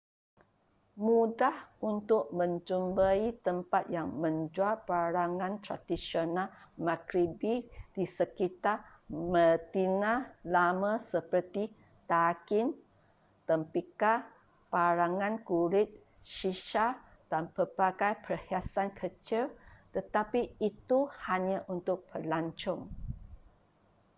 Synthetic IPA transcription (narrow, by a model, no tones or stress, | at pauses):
mũdahunt̪ʊʔ̚mə̃ɲt͡ʃumbait̪əmpat̪̚jaŋmə̃ɲd͡ʒuapaɾaŋãnt̪ɾa̰d̪isionalmakɾibid̥isəkit̪amət̪inãlamãsəpərt̪i | t̪akɪn | t̪əmpika | paɾaŋãnkuɾɪt̪̚ | ʃiʃa | d̥anpəbaɡajpərhiasankʰət͡ʃilt̪ət̪apiːt̪uhaɲãʔunt̪ʊk̚pərlaɲt͡ʃɔŋ